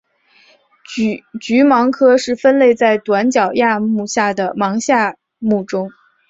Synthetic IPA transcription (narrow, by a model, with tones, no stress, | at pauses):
t͡ɕy˧˥mɑ˧˥ŋkʰɤ˥ʂɻ̩˥˩fə˥nle˥˧ɪt͡sa˥˩ɪt̪wa˧˥nt͡ɕjɑ˨˩ʊja˥˧mu˥˧ɕja˥˩d̪ə˩mɑ˧˥ŋɕja˥˧ | mu˥˩ʈ͡ʂʊ˥ŋ